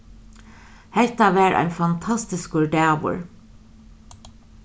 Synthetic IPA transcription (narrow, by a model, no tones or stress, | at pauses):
hɛht̪aʋæːɹʔa̰jnfant̪ʰast̪ɪskʊɹɖæːʋʊ̰ɹ